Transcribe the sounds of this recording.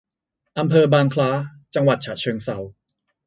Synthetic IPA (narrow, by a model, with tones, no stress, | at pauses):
ʔa˧mpʰɤː˧baː˧ŋkʰlaː˦˥ | t͡ɕa˧ŋwa˨˩t̪̚t͡ɕʰaː˨˩t̪̚t͡ɕʰɤː˧ŋsa˩˦w